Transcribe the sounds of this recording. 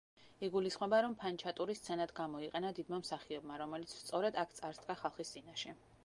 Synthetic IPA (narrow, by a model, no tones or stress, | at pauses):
iɡulisχmɔbaɾɔmpʰant͡ʃʰat̪ʼuɾist̪sʰɛnad̪ɡamɔiqʼɛnad̪id̪mamsaχiɔbmaɾɔmɛlit̪sʰst̪sʼɔɾɛd̪akʰt̪sʼaɾst̪ʼkʼaχalˠχist̪sʼinaʃɛ